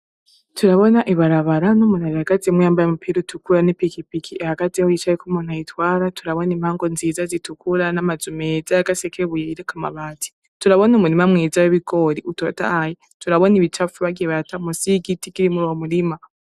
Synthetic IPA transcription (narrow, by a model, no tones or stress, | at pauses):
tuɾaβo̞naʔiβaɾaβaɾanomunaɾihaɡ̥atiemwjaːmbajamupiɾutukuɾanepikipikʰiehaɡ̥atehoit͡ʃaβikumon̥ajitwaːɾatʰuɾaβonimhaːŋɡonziːzazitukuɾanamazumezaaɡasekʰeβujeiɾekama̰βati̥ | tuɾaβonomuɾimamwiːzaweβikoɾiʔutota̰haji | tuɾaβoniβit͡ʃafuβaɡiβatamusiɡitikiɾimuɾomuɾima